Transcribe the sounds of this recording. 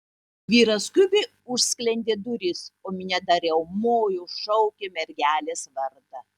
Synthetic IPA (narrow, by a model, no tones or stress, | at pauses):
ʋʲiːɾɐskʲʊbʲe | ʊʃʲsʲkʲlʲɛnʲd̪ʲeːd̪ʊɾʲisoːmʲɪnʲɛd̪ɐɾʲjɛʊmoːjuʃɐʊkʲemʲɛɾʲɡʲæːlʲeːsʋɐɾt̪ɐ